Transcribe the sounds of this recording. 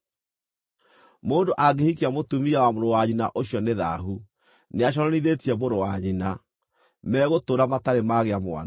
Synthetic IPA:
moːndoʔaɡehikeamotumiawamoɾowaɲina̰ʔoɕiɔneða̰ɦu | neaʃ̬ɔɾɔniðetiɛmoɾowaɲina | mɛːɣotoːɾamataɾemaɣeamwa̰n

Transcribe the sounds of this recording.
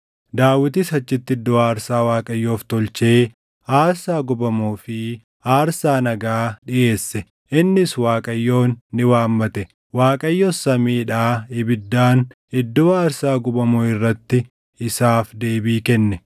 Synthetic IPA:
d̪aːwɪt̪isɐt͡ʃːɪt̪ːɪd̪ːɔaːɾsaːwaːkʼɐjːo̞ːft̪ɔlt͡ʃe̞ː | aːɾsaːɡʊbɐmoːfɪ | aːɾsaːnɐɡaːᶑɪʔe̞ːsːɛ | ʔɪnːɪswaːkʼɐjːo̞ːnːɪwaːmːɐt̪ɛ | waːkʼɐjːosɐmiːᶑaːɪbɪd̪ːaːn | ɪd̪ːoːaːɾsaːɡʊbɐmoːɪrːɐt̪ːɪ | ɪsaːfd̪eːbiːkɛnːɛ

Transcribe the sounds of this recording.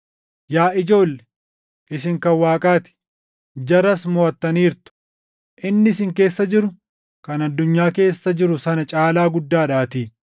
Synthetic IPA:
jaːʔɪd͡ʒo̞ːlːɛ̥ | ʔɪs̬ɪŋkɐwaːkʼaːt̪ɪ̥ | d͡ʒɐɾɐsmɔːɐt̪ːɐniːɾt̪ʊ̥ | ʔɪnːɪɪsɪŋke̞ːsːɐd͡ʒɪɾʊ | kɐnɐd̪ːʊɲːaːke̞ːsːɐd͡ʒɪɾʊsɐnɐt͡ʃʼaːlaːɡʊd̪ːaːᶑaːt̪iː

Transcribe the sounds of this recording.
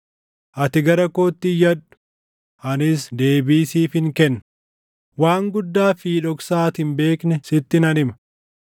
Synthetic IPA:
ʔɐt̪ɪɡɐɾɐkoːt̪ːɪjɐᶑʊ̥ | ʔɐnɪsd̪e̞ːbiːsiːfhɪŋkɛnːɐ | waːŋɡʊd̪ːaːfiːᶑɔksaːt̪ɪmbe̞ːknɛsɪt̪ːɪnɐnɪmɐ̥

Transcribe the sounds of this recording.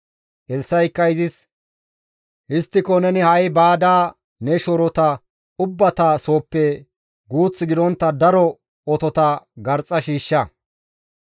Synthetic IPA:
ʔɛlsːɐjɪkːɐjɪzɪs | ʔɪst̪ːɪkːɔnɛnɪhɐjbaːd̪aː | nɛʃɔɾɔt̪ɐ | ʊbːɐt̪aːso̞ːpːɛ | ɡuːt͡sːɪɡɪd̪ɔnt̪ːɐd̪ɐɾɔ | ɔt̪ɔt̪ɐɡɐɾt͡sʼːɐʃiːʃːɐ

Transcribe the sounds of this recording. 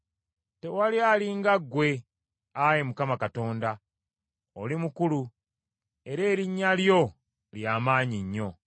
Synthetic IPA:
te̞walialiŋɡaɡːwe̞ | ajemukamakato̞ːnda | olimukulu | e̞ɾe̞ːɾiɲːaljo̞ | ljaːmaːɲiɲːo̞

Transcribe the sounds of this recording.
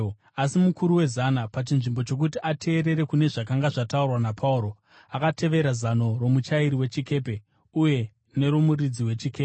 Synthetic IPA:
asimukuɾuwe̞zanapat͡ʃinʐimbo̞t͡ʃo̞k̬utiʔatʰe̞ːɾe̞ɾe̞kune̞ʐakaŋɡaʐataurwanapʰauɾo̞ | akatʰe̞ʋe̞ɾazano̞ɾo̞mut͡ʃaiɾiwe̞t͡ʃike̞ːpe̞ | uje̞ | ne̞ɾo̞murid͡ziwe̞t͡ʃikepe

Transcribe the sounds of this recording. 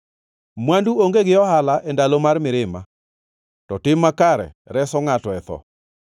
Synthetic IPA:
mwanduoŋɡeɡɪɔhalaʔɛndalomarmɪɾɪma̰ | tɔtɪmakaɾɛ̰ | ɾɛsɔŋatɔɛt̪ɔ̰

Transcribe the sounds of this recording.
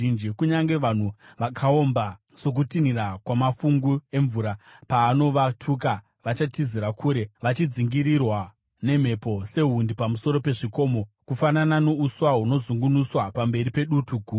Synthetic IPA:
ind͡ʒikuɲaŋɡe̞ʋan̤uʋakʰao̞mba | so̞k̬utinirakwamafuŋɡue̞ɱvuɾapaːno̞ʋatʰuk̬a | ʋat͡ʃatiziɾakʰuːɾe̞ʋat͡ʃid͡ziŋɡiɾirwa | ne̞m̤e̞po̞se̞ɦundipamuso̞ɾo̞pe̞ʐiko̞mo̞kufanananouswaɦuno̞zuŋɡunuswapambe̞ripe̞ɗutuɡʱuː

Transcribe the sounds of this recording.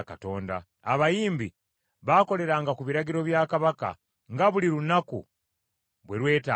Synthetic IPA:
kato̞ːnda̰ː | βajiːmbi | βako̞le̞ɾaːŋɡakuβiɾaɡiɾo̞βjaːkaβaka̰ | ŋɡaβuliɾunakṵ | βweɾwe̞ːta

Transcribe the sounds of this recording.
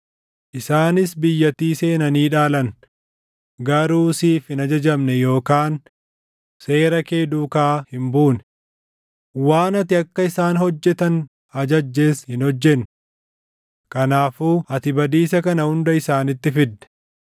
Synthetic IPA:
ʔɪsaːnɪsbɪjːɐt̪iːse̞ːnɐniːᶑaːlɐn | ɡɐɾuːsiːfhɪnɐd͡ʒɐd͡ʒɐmnɛjo̞ːkaːn | se̞ːɾɐke̞ːd̪uːkaːhɪmbuːnɛ̥ | waːnɐt̪ɪɐkːɐɪsaːnhɔd͡ʒːɛt̪ɐn | ɐd͡ʒɐd͡ʒːe̞ːshɪnhɔd͡ʒːɛn | kɐnaːfuːʔɐt̪ɪbɐd̪iːsɐkɐnɐhʊnd̪ɐɪsaːnɪt̪ːɪfɪd̪ːɛ̥

